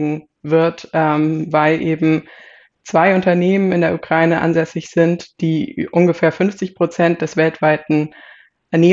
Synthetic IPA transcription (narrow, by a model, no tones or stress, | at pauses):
ŋ̩ | vɪɐtʔɛmvaɪlʔeːbm̩ | t͡sv̥aɪʊntɐneːmənɪndeːɐukʁ̥aɪnəʔa̰nzɛsɪçz̥ɪntd̥iːʔʊnɡəfeːɐfʏnft͡sɪçpʁ̥ot͡sɛnt̚d̥ɛsv̥ɛltv̥aɪtn̩ | ʔɛɐneː